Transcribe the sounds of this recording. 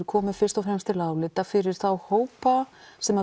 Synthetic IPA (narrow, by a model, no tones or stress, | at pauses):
ɾkʰɔːmɪfɪr̥t̪ɔfɾɛmst̪ʰɪlaːwlɪːt̪afɪɾɪɾ̥θawhoːwpasɛma